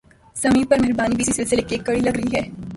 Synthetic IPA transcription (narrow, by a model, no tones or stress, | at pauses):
sɐmĩpɐɾmɪɦɪɾbaːnibiːsisɪlsɪlekieːkːɐɽilɐɡɾɐɦiɦɛː